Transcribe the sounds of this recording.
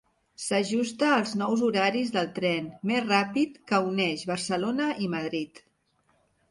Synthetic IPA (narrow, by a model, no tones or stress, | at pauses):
səʒust̪əːlˠznɔwzuɾaɾizðəlˠt̪ɾɛnmezrapit̪kəunɛʃβəɾsəlonəʔiməð̞ɾit̪